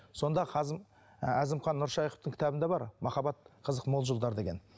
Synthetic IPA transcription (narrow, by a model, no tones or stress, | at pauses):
so̞nd̪ɑqʰɑz | æzɪmχɑnːʊɾʃɑjqə̥f̚t̪əŋkʰʲɪ̥t̪ɑbɪnd̪ebɑɾmɑχɑbɑt̪̚qʰəzəqmolˠʒolˠd̪ɑɾd̪eɡʲe̞n